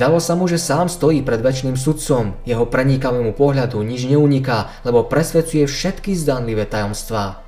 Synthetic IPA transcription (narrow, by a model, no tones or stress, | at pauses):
d̪alɔsamuʒɛsaːmst̪ɔjiːpɾɛd̪ʋɛt͡ʃniːms̬ut̪t͡sɔmjɛɦɔpɾɛɲikaʋɛmupɔɦʎad̪uɲid͡ʒɲɛuɲikaː | lɛbɔpɾɛsʋɛt͡sujɛfʃɛt̪kizd̪anliʋɛːt̪ajɔmst̪ʋaː